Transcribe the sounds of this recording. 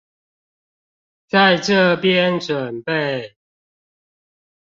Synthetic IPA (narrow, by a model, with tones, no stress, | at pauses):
t͡sa˥˨ɪʈ͡ʂə˥˨pjɛ˦nʈ͡ʂwə˨˩npe˥˨ɪ